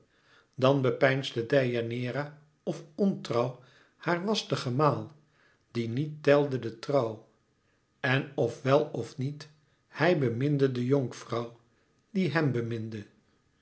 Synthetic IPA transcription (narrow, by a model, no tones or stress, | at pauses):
dɑnbəpɛjnzdədɛjanɪːɾa | ɔfɔntrɑw | haːɹʋɑstəχəmaːlˠ | d̥initːɛlˠdədətrɑw | ɛnɔfʋɛlˠɔfnit | hɛjbəmɪndədəjɔŋkfrɑw | d̥iɦɛmbəmɪndə